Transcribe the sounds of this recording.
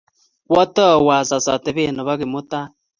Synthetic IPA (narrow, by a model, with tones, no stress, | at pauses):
wɔ˦tɔ˦˨wa˨sa˨sa̰˨tɛ˨βe˦˨nɔ˨βa˦ɣɪ˨mʊ˦ta˦